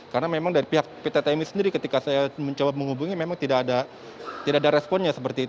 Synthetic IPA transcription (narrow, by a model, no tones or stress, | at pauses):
kaɾənamemaŋdaɾipiɦak̚pit̪at̪amisəndiɾikət̪ikasajaməɲd͡ʒabap̚məŋɦubuŋimemaŋt̪idaːda | t̪idaʔadaɾɛspɔnɲasəpərt̪iːt̪u